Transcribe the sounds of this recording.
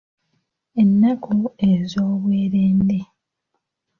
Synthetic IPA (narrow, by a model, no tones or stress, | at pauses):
enːakʰoezoːβweːɾeːnde